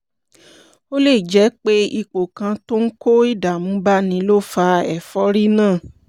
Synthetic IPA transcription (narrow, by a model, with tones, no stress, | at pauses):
o˦le˦˨d͡ʒɛ˨˦k͡pe˦i˧k͡po˨kã˧to˦n̩˦ko˦i˦˨da˨mũ˨˦ba˦nĩ˨˧˦lo˦fa˧ɛ˨fɔ˦ɾi˦nãː˦˨